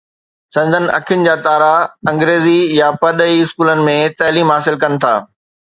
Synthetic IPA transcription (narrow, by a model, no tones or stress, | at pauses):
sɐ̃nd̪ʱənɪ̆ɐ̰kʰɪjʊnɪ̆d͡ʑaːt̪aːɾaɐ̃ŋɡɾeːzijapɐɗ̪əiɪskuːlənɪ̆mẽt̪ɐɦliːmɦaːsɪlkɐnɪ̆t̪ʰa̰ː